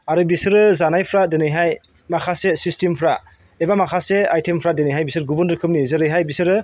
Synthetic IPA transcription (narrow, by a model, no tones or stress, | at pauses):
aɾɯbisɯɾɯzanajpʰɾadenɯjɦaj | makʰasesistimpʰɾa | ebamakʰaseajtʰempʰɾadenɯjɦajbisɯɾɡubɯndɾɯkʰɯmnizɯɾɯjɦajbisɯɾɯ